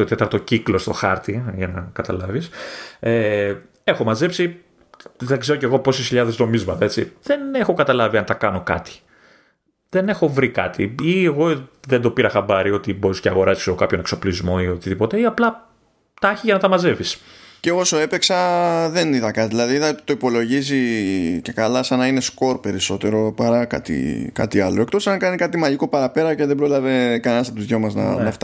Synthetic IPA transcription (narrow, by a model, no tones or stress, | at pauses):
ot̪et̪ɐɾt̪o̞ciklo̞st̪o̞xɐɾt̪iʝɐnɐkɐt̪ɐlɐvise | e̞xo̞mɐze̞psi | ðeŋɡzeɾo̞ce̞ɣopo̞sisçiʎɐðezno̞mizmɐt̪ɐe̞t͡siðe̞ne̞xo̞kɐt̪ɐlɐviɐnt̪ɐkɐno̞kɐ̰t̪i̥ | ðe̞ne̞xo̞vɾikɐt̪iieɣo̞ðend̪o̞piɾɐxɐbɐɾio̞t̪ibo̞ɾisceɐɣo̞ɾɐsi̥sokɐpço̞nekso̞plizmo̞io̞t̪iðipo̞t̪e̞iɐplɐ | t̪ɐçiʝɐnɐt̪ɐmɐze̞visceo̞po̞so̞e̞peksɐðe̞niðɐkɐt̪iðilɐðiiðɐot̪i̥t̪o̞ipo̞lo̞ʝizice̞kalɐsɐnɐine̞sko̞ɾpe̞ɾiso̞t̪e̞ɾo̞pɐɾɐkɐ̰t̪ḭkɐ̰t̪iɐlo̞e̞kt̪o̞sɐnɐkɐnikɐt̪imɐʝiko̞pɐɾɐpe̞ɾɐceðebɾo̞lɐve̞kɐnenɐst̪ɐt̪uðʝomɐznɐ̰nɐft̪